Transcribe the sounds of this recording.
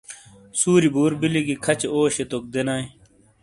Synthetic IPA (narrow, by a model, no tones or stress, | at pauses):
suːɾibuːɾbiliɡikʰɐt͡ɕeoːɕet̪ok̚d̪enaːe